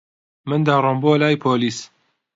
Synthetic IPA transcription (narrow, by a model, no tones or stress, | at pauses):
mɨnd̪aːrˤɔmboːlaːjpʰoːliːs